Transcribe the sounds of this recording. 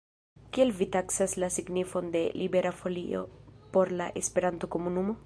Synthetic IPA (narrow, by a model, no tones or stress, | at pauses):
kie̞lvitaksaslasiɡnifo̞nde̞libe̞ɾafo̞lḭo̞̰po̞ɾlaʔe̞spe̞ɾanto̞ko̞munumo̞